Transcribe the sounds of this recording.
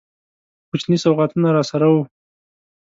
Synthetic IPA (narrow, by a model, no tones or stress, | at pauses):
kʊt͡ʃnisawɣat̪unaɾɑsaɾawu